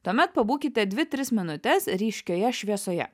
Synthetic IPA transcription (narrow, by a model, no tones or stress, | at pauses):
t̪uɔmʲɛt̪̚pɐbuːkʲɪt̪ʲɛd̪ʲʋʲɪt̪ʲɾʲɪsmʲɪnʊt̪ʲɛsɾʲiːʃʲkʲoːjɛʃʲʋʲiɛsoːjɛ̰